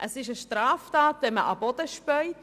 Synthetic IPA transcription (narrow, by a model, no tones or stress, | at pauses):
ʔəsɪʃəʃtɾɑːftɑːtdɛməʔɑbɔd̥əʃpœʏt